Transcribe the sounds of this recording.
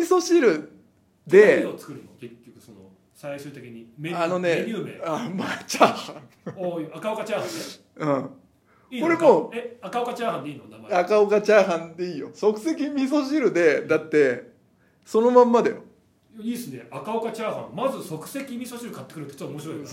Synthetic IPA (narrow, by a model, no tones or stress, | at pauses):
mʲiso̞ɕiɾɯ̟ | d̪e̞ot͡sɨ̥kɯ̟ɾɯ̟noke̞kʲːokɯ̟̥sono̰ | saiɕɨːt̪e̞kʲiɲ̟imeano̞ne̞ɨːmḛamat͡ɕaːhãoakaokat͡ɕaːhãne | ɯ̟̃ɴ | iːko̞ɾe̞moːeakaokat͡ɕaːhãnd̪eiːnonamaakaokat͡ɕaːɦãnt̪eiːjo̞so̞kɯ̟̥se̞kʲimʲis̬o̞ɕ̬iɾɯ̟d̪e̞d̪at̪ːe̞ | so̞no̞mãmːad̪ajo̰ | iːsɨneakaokat͡ɕaːhã̰mmazɨso̞kɯ̟̥se̞kʲimʲisoɕiɾɯ̟kat̪ːekɯɾɯ̟t̪ːet͡ɕot̪ːomoɕiɾoi